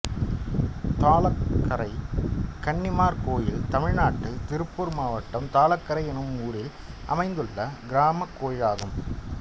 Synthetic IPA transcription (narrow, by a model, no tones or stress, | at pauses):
t̪aːɭɐkːɐɾɐɪkɐɳːɪmaːɾkoːjɪlt̪ɐmɪɻnaːʈːɪlt̪ɪɾɯpːɯɾmaːʋɐʈːɐmt̪aːlɐkːɐɾɐɪɛnɯmuːɾɪl | ʔɐ̰mɐɪnd̪ɯɭːɐɡɪɾaːmɐkːoːjɪlaːɣɯm